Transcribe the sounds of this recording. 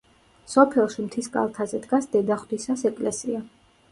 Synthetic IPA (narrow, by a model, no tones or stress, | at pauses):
sɔpʰɛlˠʃimt̪ʰiskʼa̰lˠt̪ʰazɛd̪ɡasd̪ɛd̪aχd̪isasɛkʼlɛsia